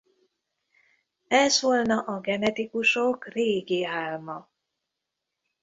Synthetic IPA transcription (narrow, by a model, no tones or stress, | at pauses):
ɛzʋolnɒʔɒɡɛnɛt̪ikuʃokreːɡiaːlmɒ